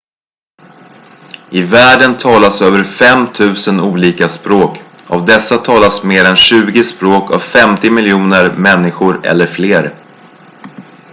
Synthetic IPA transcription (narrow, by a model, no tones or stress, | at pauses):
ɪvæːɖənt̪ʰɑːlasøːvəɾfɛmt̪ʰʉ̟ːsənuːliːkaspɾoːk | a̰vd̪ɛsːat̪ʰɑːlasmeːɾɛnɕʉ̟ːɡɪspɾoːka̰vfɛmt̪ɪmɪljuːnəɾmɛnːɪɧʊɾɛ̰lːəɾfleːɾ